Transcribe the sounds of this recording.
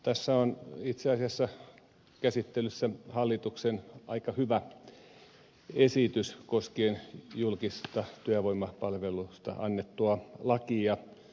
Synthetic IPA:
t̪æsːæonit̪seɑsiɑsːɑ | kæsit̪ːelysːæhɑlːit̪uksenʔɑ̰ikɑhyʋæ | esit̪yskoskeːnjulkist̪ɑt̪yæʋoimːˑɑpɑlʋelust̪ɑ̰ɑnːet̪ːuɑlɑkiɑ

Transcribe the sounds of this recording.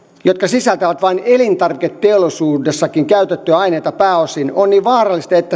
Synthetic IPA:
jot̪̚kɑsisælt̪æʋæt̪ʋɑinelint̪ɑrʋiket̪teolisuːdesːɑkiŋkæyt̪et̪ːøɑineit̪ɑpæːosinonniːʋʋɑːrɑlːist̪ɑet̪ːæ

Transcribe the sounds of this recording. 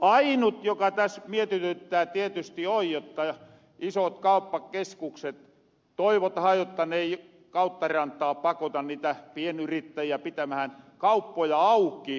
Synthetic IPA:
ʔɑinut̪jokɑt̪æsmiet̪yt̪øt̪ːˑæːt̪iet̪yst̪iojjot̪ːɑ | isot̪kɑupːɑkeskukset̪ | t̪oiʋot̪ɑhɑːjjot̪ːɑneˑi | kɑˑut̪ːɑrɑnt̪ˑɑːpɑkot̪ɑnniːt̪æpienyrit̪ːæjiæpit̪æmæhænkɑupːojɑɑukˑiː

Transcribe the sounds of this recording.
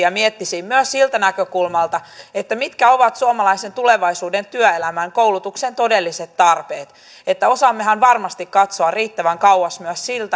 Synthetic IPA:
ɑmiet̪ːisiːmmyøssilt̪ænækøkulmɑlt̪ɑet̪ːæmit̪kæo̞ʋɑt̪suomɑlɑisent̪uleʋɑisuːdent̪yœelæmæŋkouwlut̪uksent̪o̞delːiset̪tɑrpeːt̪ | et̪ːæo̞sɑmːeɦænʋɑrmɑst̪ikkɑt̪soɑrriːt̪ːæʋæŋkɑwwɑsmyøssilt̪æ

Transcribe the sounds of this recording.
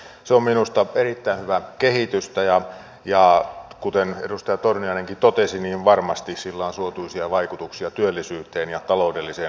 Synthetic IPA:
seomminust̪ɑerit̪ːæinhyʋækehit̪yst̪æjɑ | jɑkut̪eneɾust̪ɑjɑt̪orniɑineŋkit̪ot̪esiniːʋʋɑrmɑst̪issilːɑˑːnsuot̪uisiɑʋɑikut̪uksiɑt̪yølːisyːt̪ˑeːnjɑt̪ɑloudelːiseːn

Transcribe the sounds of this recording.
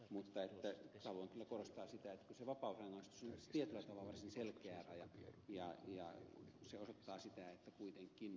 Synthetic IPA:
mut̪ːɑet̪ːæt̪hɑluɑŋkylːækorost̪ɑːsit̪æet̪ːækyseʋɑpɑˑusɑŋːɑˑist̪usont̪iet̪ylːˑæt̪ɑʋɑlːʋɑrsinselkeæːˑrɑjɑjɑjɑ̰seosot̪ːɑːsit̪æet̪ːækuit̪eŋkːˑin

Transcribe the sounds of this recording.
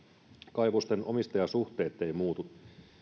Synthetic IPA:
kɑjʋust̪eno̞mist̪ɑjɑsuht̪e̞ːt̪ːejmuːt̪u

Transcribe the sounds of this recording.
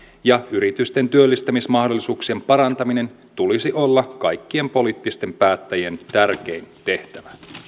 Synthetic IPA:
jɑyɾit̪yst̪e̞nt̪yølːist̪æmismɑhdo̞lːisuːksie̞mpɑɾɑnt̪ɑmine̞n | t̪ulisiʔolːɑkkɑjkːie̞mpo̞liːt̪ːist̪e̞mpæːt̪ːæjie̞nt̪ærk̟e̞int̪e̞ht̪æʋæ

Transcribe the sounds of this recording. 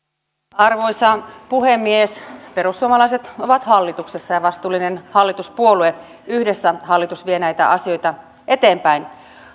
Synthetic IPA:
ɑrʋo̞jsɑpuhemːiespeɾusːuomɑlɑiset̪oʋɑt̪hɑlːit̪uksesːɑjɑʋɑst̪uːlːinenhɑlːit̪uspuolue | yhdesːæhɑlːit̪usʋienæjt̪æ̰ʔɑsio̞jt̪ɑ | ʔet̪eːmpæin

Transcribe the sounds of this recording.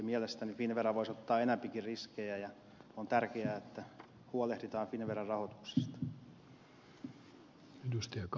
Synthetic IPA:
miælest̪ænifinʋerɑʋoisot̪ːɑːenæpikirriskejæjɑ | ont̪ærkeæːet̪ːæ | huolehdit̪ɑːnfinʋerɑrɑhot̪u̥ksi̥st̪ɑ̥ | edust̪ɑjɑk

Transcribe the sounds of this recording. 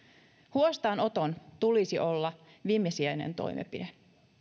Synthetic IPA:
huost̪ɑːno̞t̪ont̪ulisiʔo̞lːɑ | ʋimːesiæjnḛnt̪o̰jmḛpide

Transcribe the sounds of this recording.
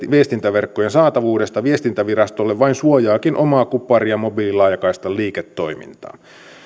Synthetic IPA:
ʋiest̪int̪æʋerkːojensɑːt̪ɑʋuːde̞st̪ɑʋie̞st̪int̪æʋiɾɑst̪o̞lːeʋʋɑinsuojɑːkinʔo̞mɑːkupˑːɑriɑmo̞bilːilɑjɑkɑist̪ɑliːket̪ːo̞imḭnt̪ɑ̰ː

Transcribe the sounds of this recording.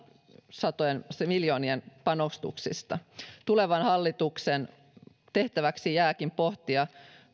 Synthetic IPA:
sɑt̪ojenmiljo̞ːnienpɑnost̪ṵksḭst̪ɑt̪ule̞ʋɑnhɑlːit̪uksen | t̪e̞ht̪æʋæksijæːkimpo̞ht̪iɑ

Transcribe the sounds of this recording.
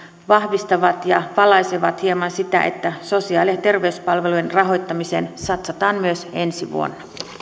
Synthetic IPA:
ʋɑhʋist̪ɑʋɑt̪jɑpɑlɑjseʋɑt̪hiemɑnsit̪æ̰ʔe̞̰t̪ːæso̞siɑːlient̪e̞rʋeyspɑlʋe̞lujenrɑɦo̞jt̪ːɑmiseːnsɑt̪sɑt̪ɑːmmyøse̞nsiʋṵo̰nːɑ

